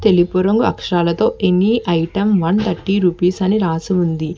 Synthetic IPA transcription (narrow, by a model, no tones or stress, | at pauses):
t̪e̞lipuɾɐŋɡuɐ̰kʂɐɾaːlɐt̪o̞ːʔenːiʔɐjʈɐmʋɐnt̪ɐʈːiɾupiːsɐniɾaːsiund̪i